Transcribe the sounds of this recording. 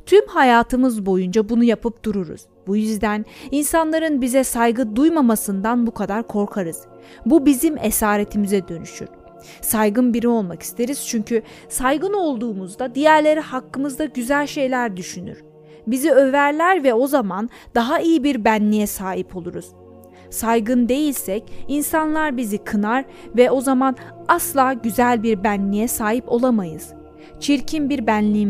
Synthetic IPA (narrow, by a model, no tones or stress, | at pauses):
t̪ʰymhajaːt̪ʰɯmɯzbo̞jund͡ʒabunujapʰɯp̚d̪̥uɾuɾṵz̥bujyzd̪æninsanlˠaɾɯnbizɛsajɡɯd̪ujmamasɯnd̪anbukʰad̪aɾkʰo̞ɾkʰaɾɯz̥ | bubizimḛsaːɾet̪ʰimizɛd̪ø̞nyʃy̰ɾ̥ | sajɡɯnbiɾio̞lˠmaki̥st̪ʰe̞ɾiz̥t͡ʃʰyɲcʰy | sajɡɯno̞lˠd̪uːmuzd̪ad̪ijæɾlʲe̞ɾihakːɯmɯzd̪aɟyzælʲʃe̞jlʲæɾd̪yʃyny̰ɾ̥ | biziø̞væɾlʲæɾvɛo̞zaman | d̪aɦaijibiɾbænlʲijɛsaːɦipʰolˠuɾuz̥ | sajɡɯnd̪e̞jilʲsɛcinsanlˠaɾbizikʰɯnaɾ | vɛʔo̞zamanaslˠaːɟyzælʲbiɾbænlʲijɛsaːɦipo̞lˠamajɯz̥ | t͡ʃʰiɾcʰimbiɾbænlʲim